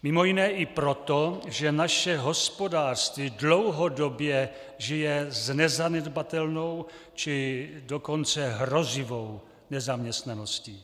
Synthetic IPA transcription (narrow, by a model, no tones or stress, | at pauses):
mɪmo̞jɪnɛːʔɪpɾo̞t̪oʒɛnaʃɛɦo̞spo̞daːrst̪viːdlo̞wɦo̞do̞bjɛ | ʒɪjɛznɛzanɛd̪bat̪ɛlno̞w | t͡ʃɪdoko̞nt͡sɛɦɾo̞zɪvow | nɛzamɲɛst̪nano̞sciː